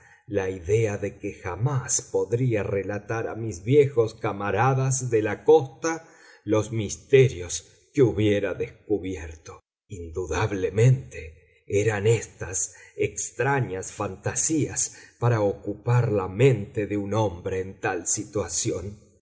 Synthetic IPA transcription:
laiðeaðe̞kexamaspo̞ðɾiarelat̪aɾa̰mizβjexo̞skamaɾaðazðelako̞st̪a | lo̞smist̪eɾjo̞s | keuβjeɾaðeskuβjeɾt̪o̥ | ind̪uðaβlemẽ̞nt̪e | eɾanest̪asekst̪ɾaɲasfant̪asiaspaɾaokupaɾlamẽ̞nt̪eðeunombɾe̞ːnt̪alsit̪wasjo̞n

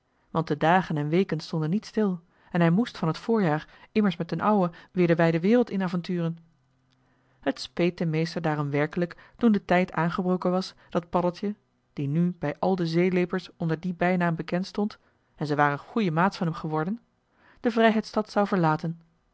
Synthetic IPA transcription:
ʋɑntdədaːχənɛnʋejkənstɔndənːitstɪlˠ | ɛnɦɛjmustfɑnɦətfʊːɹjaːɹʔɪməɹsmɛtənʔɑwəʋɪːɹdəbɛjdəʋɪːrəlˠtɪnaːvɑntyːrən | hətspejt̚dəmejstəɹdaːrɔmʋɛɹkələktundətɛjtʰaːnχəbrowkənʋɑsd̥ɑt̚pɑdəl̩ˠtjə | d̥inybɛjʔɑlˠdəzejlejpəɹsɔndəɹdibɛjnaːmbəkɛntstɔnt | ɛnzəʋaːɾənχujəmaːtfɑnɦɛmχəʋɔɹdən | d̥əvrɛjɦɛjtstɑtsɑwvəɹlaːtən

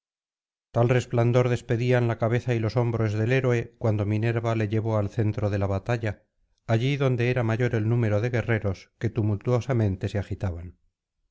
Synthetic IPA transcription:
t̪alre̞spland̪o̞ɾðe̞spe̞ðianlakaβ̞e̞θailo̞so̞mbɾo̞zðe̞le̞ɾoe̞kwand̪o̞mĩne̞ɾβale̞ʎe̞βo̞alθe̞nt̪ɾo̞ð̞e̞laβat̪aʎaː | ʝiðo̞nd̪e̞eɾamaʝo̞ɾe̞lnũme̞ɾo̞ðe̞ɣe̞re̞ɾo̞ske̞t̪umult̪uo̞samẽ̞nt̪e̞seaxit̪aβan

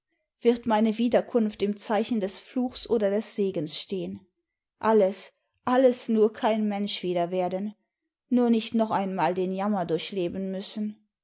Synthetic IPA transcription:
v̥ɪɐtmaɪnəviːdɐkʰʊnftɪmt͡saɪçn̩dɛsfluːxsʔoːdɐdɛsz̥eːɡənsʃteːən | ʔaləs | ʔaləsnuːɐkʰaɪnmɛnʃv̥iːdɐveːɐdənː | uːɐnɪçtnɔχʔaɪnmaːldeːnjamɐdʊɐçleːbən̩mʏsn̩

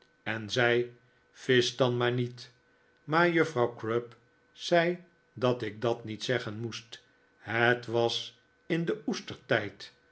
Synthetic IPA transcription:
ɛnzɛj | fɪsdɑnmaːɹnit | maːɹjɵfrɑwkɹøp | sɛj | dɑtɪk̚dɑtnitsɛχənmust | ɦətʋɑs | ɪndəustəɹtɛjt

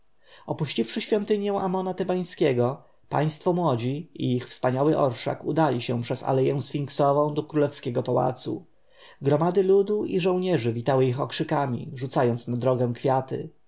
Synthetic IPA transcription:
ɔpuɕt͡ɕifʂɘɕfʲjɔnt̪ɘɲjɛw̃ʔamɔnat̪ɛbaj̃skʲɛɡɔ | pa̰j̃st̪fɔmwɔd͡ʑiiixfspaɲawɘʔɔ̰ɾʂa̰kud̪alʲiɕɛ̃pʂɛsa̰lɛjɛ̃w̃sfʲiŋksɔvɔ̃w̃d̪ɔkɾulɛfskʲɛɡɔpawa̰t̪sṵ | ɡɾɔmad̪ɘlud̪uʔiʐɔ̃w̃ɲɛʐɘvʲit̪awɘixɔkʂɘkamʲḭʐut̪sajɔnt̪snad̪ɾɔɡɛw̃kfʲjat̪ɘ̰

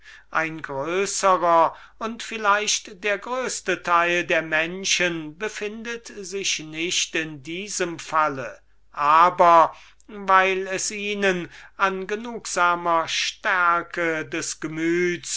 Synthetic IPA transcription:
ʔaɪnɡʁøːsəʁɐ | ʊntfɪlaɪʃtd̥eːɐɡʁøːstətʰaɪldeːɐmɛnʃənbəfɪndətzɪʃnɪʃtɪndiːzəmfalə | ʔaːbɐ | vaɪlɛsiːnənanɡənuːkz̥aːmɐʃtæɐkədɛsɡ̥əmyːts

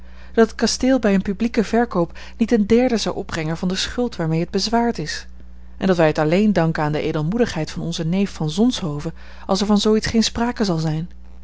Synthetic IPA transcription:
d̥ɑtət̚kɑsteːlˠbɛjənpyblikəvɛɹkowp | nitəndɛɹdəzɑwʔɔb̚brɛŋənvɑndəsχɵlˠtʋaːɹmejɦəd̚bəzʋaːɹtɪs | ʔɛ̰ndɑtʋɛjɦətɑlejndɑŋkənaːndəʔḛjdəlˠmudəχɦɛjtfɑnɔnzənejfːɑnzɔnsɦowvə | ʔɑlˠsɛɹvɑnzowitsχejnspraːkəzɑlˠzɛjn

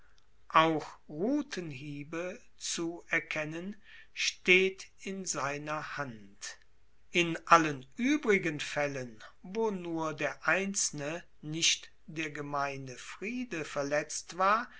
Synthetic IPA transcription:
ʔaʊxʁuːtʰənɦiːbə | t͡suɛɐkʰɛnən | ʃteːtɪnzaɪnɐhant | ʔɪnʔalənʔyːbʁɪɡənfɛlənvoːnuːɐdeːɐʔaɪnt͡sl̩nə | nɪʃt | d̥eːɐɡəmaɪnəfʁ̥iːdəfɛɐlɛt͡stv̥aːɐ

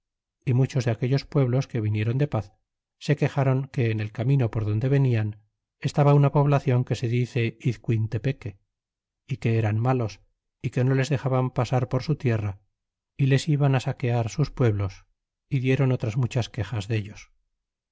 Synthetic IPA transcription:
imut͡ʃo̞zðe̞ake̞ʎo̞spwe̞βlo̞ske̞βinje̞ɾo̞nd̪e̞paθ | se̞ke̞xaɾo̞ŋke̞ːne̞lkamĩno̞po̞ɾð̞o̞nd̪e̞β̞e̞nian | est̪aβaunapo̞βlaθjo̞ŋke̞se̞ðiθe̞iðkwint̪e̞pe̞ke̞ | ike̞eɾanmalo̞s | ike̞no̞le̞zðe̞xaβampasaɾpo̞ɾsut̪je̞ra | ile̞siβanasake̞aɾsuspwe̞βlo̞s | iðje̞ɾo̞no̞t̪ɾazmut͡ʃaske̞xazðe̞ʎo̞s

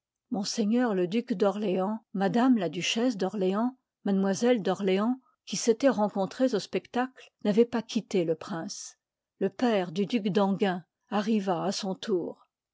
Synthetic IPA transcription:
mɔ̃seɲœʁləd̪ykd̪ɔʁleɑ̃mad̪amlad̪yʃɛs̬d̪ɔʁleɑ̃ | mad̪mwazɛld̪ɔʁleɑ̃ | kʲiset̪ɛʁɑ̃kɔ̃t̪χezospɛkt̪aklnavɛpakʲʰit̪eləpχɛ̃s | ləpɛʁd̪yd̪ykd̪ɑ̃ɡʲɛ̃ | aʁivaːsɔ̃t̪ʰuːʁ

